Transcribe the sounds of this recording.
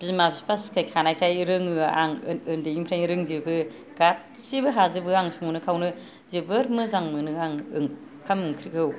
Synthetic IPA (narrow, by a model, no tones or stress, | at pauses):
b̥imabispʰaskʰajkʰanajkʰajɾɯŋɯa̰ŋɯndeiŋpʰɾajnɾɯŋzibɯ | ɡ̥at̚ | sibɯɦazɯbɯaŋsuŋunɯkʰawnɯ | zibɯɾmɯzaŋmɯnɯaŋɯŋ | kʰamɯŋkʰɾiɡʰɯw